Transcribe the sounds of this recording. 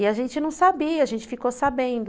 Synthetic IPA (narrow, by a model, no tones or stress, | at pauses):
ɪaʒẽnt͡ʃɪnɐ̃w̃sabiɐaʒẽnt͡ʃɪ̥fikosabẽnd̪ʊ